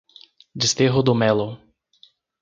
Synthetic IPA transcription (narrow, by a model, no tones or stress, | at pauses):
d͡ʒist̪eɦod̪omɛlo